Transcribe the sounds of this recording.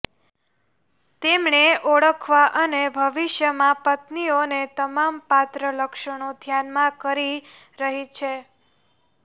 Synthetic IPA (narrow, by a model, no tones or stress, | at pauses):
t̪emɳeʔoɽəkʰʋaʔənebʱəʋiʃjəmãpət̪nionet̪əmampat̪ɾələkʃəɳ̃od̪ʱjanmãkəɾi | ɾəɦit͡ʃʰe